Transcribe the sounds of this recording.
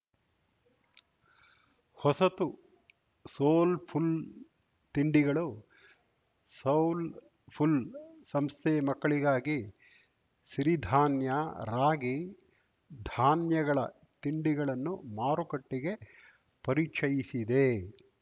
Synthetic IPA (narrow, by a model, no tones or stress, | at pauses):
hɔsɐt̪u | soːlpʰul | t̪iɳɖiɡɐɭu | sɐwl | pʰulsɐmst̪ʰemɐkːɐɭiɡaːɡi | ʃɾid̪ʱaːnjɐɾaːɡi | d̪ʱaːnjɐɡɐɭɐ̰ | t̪iɳɖiɡɐɭɐnːumaːɾukɐʈːiɡe̞ | pɐɾit͡ʃɐjisid̪e